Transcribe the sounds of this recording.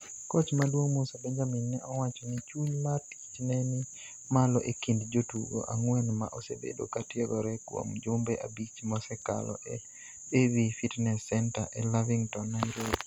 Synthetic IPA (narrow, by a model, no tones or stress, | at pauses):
kot͡ʃmadwoŋmosabɛɲd͡ʒaminːɛʔɔwat͡ʃɔnit͡ʃuɲmartit͡ʃnɛnɪ | malɔʔekindd͡ʒotuɡo̰ʔaŋwɛnma̰ʔosḛbḛdo̰katɪedɔɾɛkwo̰md͡ʒʊmbɛʔa̰bit͡ʃmɔsɛka̰lɔ̰ʔe | evifitnɛsːɛnta̰ʔɛlaviŋtɔnːaiɾot